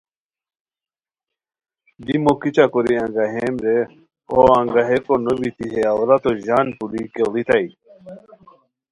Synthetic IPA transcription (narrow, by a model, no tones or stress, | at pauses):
d̪imokit͡ɕakoɾiãŋɡaɦeːmɾe | o̰ãŋɡaɦekonobit̪iɦeawɾat̪oʑaːnpulikelit̪ai